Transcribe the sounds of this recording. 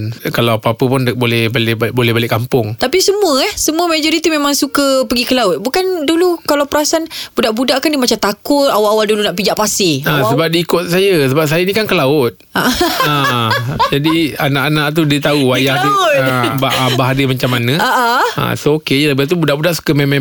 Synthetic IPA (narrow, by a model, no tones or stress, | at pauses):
nkalaapaapəpʊnbolɛhbalɛhbolɛhbalɪʔkampʊŋt̪apisəmũəɛhsəmũəmad͡ʒoɾit̪imẽmãŋsukəpəɡikəlaʊt̪̚bukandulukalawpəɾasanb̥udaʔbudaʔkandimat͡ʃamt̪akʊt̪̚awaawaldulunaʔpid͡ʒaʔpasɪãsəbap̚diːkʊt̪̚sajəsəbap̚s̬ajənĩkankəlaʊt̪̚aʔa | d͡ʒadianaʔanaʔt̪̬udiət̪auwajaht̪uabaʔabaɦadəmat͡ʃamːanə̃aʔaã̰sookejələbat̪ubudaʔbudaʔsu̥kəmemã